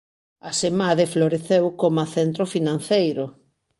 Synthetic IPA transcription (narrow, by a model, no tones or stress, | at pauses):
ɐsemaðefloɾeθewkomaθent̪ɾofinãn̟θejɾʊ